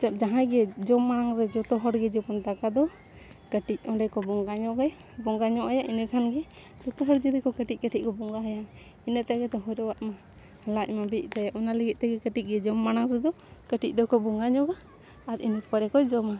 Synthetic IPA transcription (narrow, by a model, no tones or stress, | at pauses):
t͡ʃap̚d͡ʒaɦãɡɛd͡ʒɔmːanaŋɾɛd͡ʒɔt̪ɔɦɔɽɡɛd͡ʒɔpɔnd̪akad̪ɔ | kəʈic̚ˀɔɳɖɛkɔbɔŋɡaɲɔʔɡɛj | bɔŋɡaɲɔʔajaʔinəkʰanɡɛ | d͡ʒɔt̪ɔɦɔɾd͡ʒid̪ɛkɔkəʈic̚kəʈʰic̚kɔbɔŋɡaɦəja | inət̪aɡɛt̪ɔɦɔɾɔwaʔma | halac̚mabic̚ˀt̪ajaʔɔnaləɡit̪̚ˀt̪ɛɡɛkəʈic̚ɡɛd͡ʒɔmːanaŋɾɛd̪ɔ | kəʈic̚ˀd̪ɔkɔbɔŋɡaɲɔɡaː | ɾḭnət̪paɾɛkɔd͡ʒɔma